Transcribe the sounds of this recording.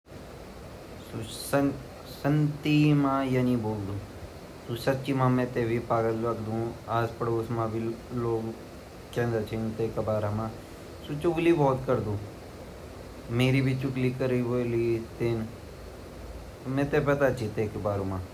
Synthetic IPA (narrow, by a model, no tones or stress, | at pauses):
sosə | sənt̪imãːjanĩboːld̪ũː | soːsɐbt͡ʃimãːmɛ̃ːt̪eːbʱipaːɡələkd̪ũːaːspəɽoːsmãːbʱiloːɡ | kẽːnd̪at͡ʃʰent̪eːkəbaːɾamãː | sot͡ʃʊkliːbɔːt̪kəɾd̪ũː | meːɾibʱit͡ʃʊklikəɾiʋolit̪ɪn | mɛ̃ːt̪epət̪at͡ʃʰit̪eːkbaːɾomãː